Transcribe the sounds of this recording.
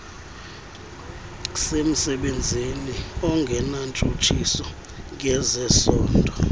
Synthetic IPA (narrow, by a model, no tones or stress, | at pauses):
sem̩sɛɓend͡zʱiniɔŋɡʱɛnant͡ʃʼut͡ʃʰisɔ | k̬ɛzɛsɔːndʱɔ